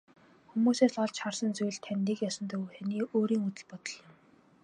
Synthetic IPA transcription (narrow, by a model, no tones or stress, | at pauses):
xumuːseːsɔɮt͡ɕχarsə̆nt͡sujɮt̪ʰːænʲt̪iːkjɔsə̆nt̪ɵ̆wxæniːʔoːɾiːŋut̪ɘ̆ɮpɔt̪ɞ̆ɮjɪ̆m